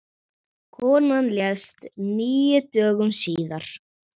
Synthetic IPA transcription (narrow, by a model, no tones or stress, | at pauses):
kʰɔːnanljɛst̪niːjɪt̪œːɣʏmsiːðaɾ̥